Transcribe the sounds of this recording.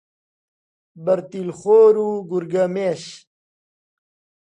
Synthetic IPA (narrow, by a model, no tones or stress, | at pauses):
bɐɾt̪ilχoːɾuɡuɾɡɐmeːɕ